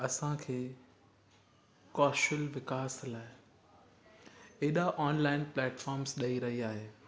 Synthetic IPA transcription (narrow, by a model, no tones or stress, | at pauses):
ɐsãkʰeː | kɔːsʈəlʋɪkaːslaːɪ | eːɗaʔɔːnlaːɪnplɛːʈfɔːɾmsɗɐiɾɐɦiaːɦeː